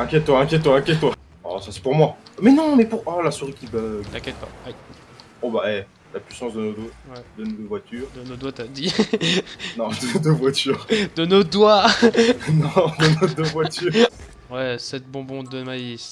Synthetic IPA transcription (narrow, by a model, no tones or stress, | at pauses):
ɛ̃kʲjɛt̪̚ːwaɛ̃kʲjɛt̪̚ːwaɛ̃kjɛt̪ːwa | ɔ̰sasɛ̥puʁmwamɛnɔ̃mɛpuʁalasuʁikʲibaɛ̃kʲjɛt̪̚paa | obaɛ | lapɥisɑ̃sd̪ənod̪owɛd̪ənod̪əvwat̪yːʁd̪ənod̪wat̪ad̪i | nɔ̃d̪əd̪əvwat̪yʁd̪ənod̪wa | nɔ̃d̪ənod̪əvwat̪y | wɛsɛt̪̚bɔ̃bɔ̃d̪əmaji